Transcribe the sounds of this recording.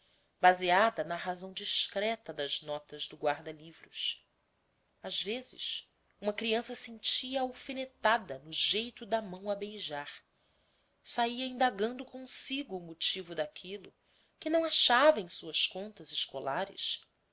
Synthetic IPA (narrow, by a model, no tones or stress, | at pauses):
baziad̪ɐnɐɦazɐ̃w̃d͡ʒiʃkɾɛt̪ɐd̪ɐznɔt̪ɐzd̪ʊɡwaɾd̪ɐlivɾʊʃ | azvezɪ̰ʃ | ũmɐkɾiɐ̃sɐsẽnt͡ʃiɐawfenet̪ad̪ɐnʊʒejt̪ʊd̪ɐmɐ̃w̃ɐbejʒaɾ | saiɐĩnd̪aɡɐ̃nd̪ʊkõsiɡʊːmut͡ʃivʊd̪akʰilʊ | kɪnɐ̃w̃aʃavɐẽj̃suɐskõnt̪ɐzɪʃkolaɾɪ̰s